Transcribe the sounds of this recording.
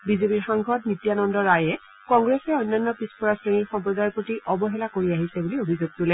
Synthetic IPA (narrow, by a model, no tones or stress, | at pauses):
bizepiɹxaŋɡʱɔt̚nitijanɔndɔɹajɛ | kɔŋɡɹɛsɛojnːanːɔpispɔɹasɹeŋiɹxɔmpɹɔdajɔɹpotiʔɔbɔɦɛlakoɹiaɦisɛbuliobʱizuɡ̚tulɛ